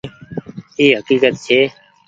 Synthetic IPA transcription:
eːɦəkiːkət̪t͡ʃʰeː

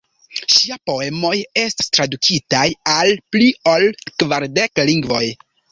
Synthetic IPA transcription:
ʃiapo̞e̞mo̞je̞stḁstɾadukitajalpliolkvaɾde̞kliŋɡvo̞j

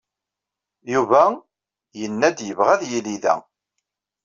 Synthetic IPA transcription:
juvæ | jənːæd̪jəvʁæðjiliðæ̰

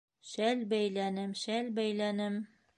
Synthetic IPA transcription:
ʃælbæjlænɘmʃælbæjlænɘm

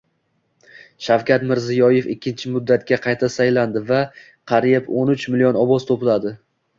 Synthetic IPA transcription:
ʃawkʲat̪mɪɾzɪjɒjefɪkʲʰːɪnt͡ʃʰɪmʊd̪ːat̪̚ɡʲaqʰɑjt̪ʰasajland̪ɪva | qʰɑɾijɪponʊt͡ʃmɪlijonɒbɒz̥t̪ʰopɪlad̪ɪ

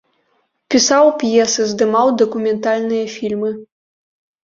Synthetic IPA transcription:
pʲisawpjɛsɨzd̪ɨmawd̪ɐkumʲɛnt̪alʲnɨjɐfʲilʲmɨ

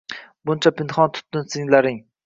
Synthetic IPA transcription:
bʊnt͡ʃʰapʰɪnχɒnt̪ʰʊ̥t̪ːɪnsɪŋlaɾɪŋ

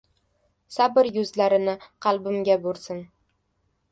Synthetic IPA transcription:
sabɪɾjʊzlaɾɪnɪqʰɑlˠbɪmɡʲabolsɪn

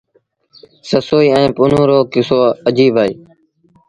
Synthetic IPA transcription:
səsoːiːɛ̃ːpʊn̤õːɾoːkɪsoːəd͡ʒiːbaːiː

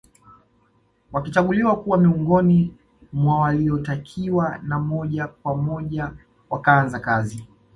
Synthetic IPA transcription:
wakit͡ʃaɠuliwakuwamiuŋɡɔni | mwawaliɔtakʰiwanamɔʄakwamɔʄa | wakaanzakazi

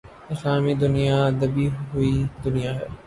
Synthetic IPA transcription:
ɪsaːmid̪ʊnijad̪ɐbiɦʊid̪ʊnijaɦɛː

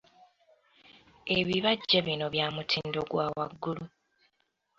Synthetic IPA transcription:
eβiβaɟːeβino̞βjaːmutʰiːndo̞ɡwaːwa̰ɡːulu

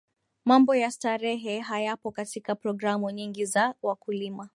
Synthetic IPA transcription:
mambɔjastaɾɛɦɛɦajapɔkatikapɾɔɡɾamuɲiŋɡizawakulima

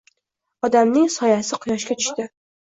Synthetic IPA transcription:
ɒd̪amnɪŋsɒjasɪqʰʊjɒʃkʲat̪ʰʊ̥ʃt̪ɪ

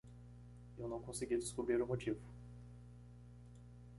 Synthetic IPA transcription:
ewnɐ̃w̃kõsɪɡʲid̪ɪskʊbɾiɾʊmot͡ʃivʊ

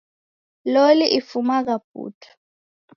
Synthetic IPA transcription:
loliʔifumaɣ̬ab̥̚ʱṵːtʰḁ

